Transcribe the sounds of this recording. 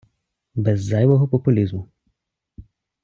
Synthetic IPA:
bɛzːajʋɔɦɔpɔpʊlʲizmʊ

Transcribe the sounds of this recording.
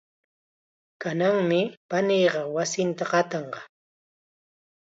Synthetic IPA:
kanaŋmɪpaniːɢɑwasɪnt̪aɢɑt̪ɑɴɢɑ

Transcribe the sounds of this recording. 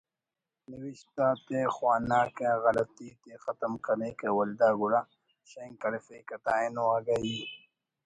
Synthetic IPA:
niwiɕt̪aːt̪exwaːnaːkẽɣɐlɐt̪ːit̪exɐt̪ɐmkɐɾnekewɐld̪aːɡuɾa | ɕɐŋkɐɾefekɐt̪aːinoaɡɐi

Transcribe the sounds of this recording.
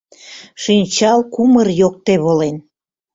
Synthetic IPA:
ʃinʲt͡ɕɑlkumərjok̚t̪eβolen

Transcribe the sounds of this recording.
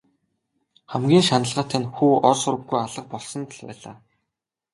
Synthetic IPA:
χæmɡʲiːnʃanə̆ɮʁaːt̪ʰanʲxuːɔɮsʊɾə̆pɡujaɮə̆q̚pɔɮsɞ̆nt̪ʰə̆ɮpæ̰ːɮa̰ː

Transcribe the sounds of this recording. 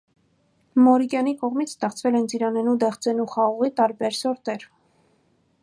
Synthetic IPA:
mɔɾikjɑnikɔʁmit͡sʰst̪ɛχt͡sʰvɛlɛnt͡siɾɑnɛnud̪ɛχt͡sɛnuχɑʁɔʁit̪ɑɾbɛɾsɔɾt̪ɛɾ

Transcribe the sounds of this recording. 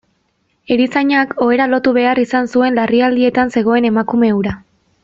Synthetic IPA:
e̞ɾisaɲako̞e̞ɾalo̞t̪uβ̞e̞arisansue̞nlariald̪ie̞t̪anse̞ɣ̞o̞e̞ne̞makume̞uɾa

